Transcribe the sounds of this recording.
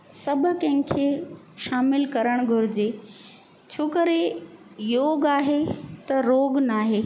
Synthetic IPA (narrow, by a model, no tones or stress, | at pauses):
sɐbʱʊ̆kɐ̃ɦɪ̃kʰeː | ʃaːmɪlkɐɾəɽ̃ɡʱʊɾɪd͡ʑeː | t͡ɕʰoːkəɾe | joːɡaːɦet̪ɐɾoːɡnaːɦeː